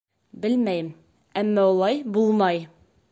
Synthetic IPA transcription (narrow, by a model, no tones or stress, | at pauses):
bɘlmæjm | æmːæulˠɑjbulˠmɑj